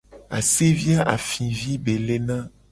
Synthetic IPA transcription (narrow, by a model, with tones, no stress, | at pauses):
a̰˨se˦vi˦a˦ʔa̰˨fĩ˨vi˦be˨le˦nã˦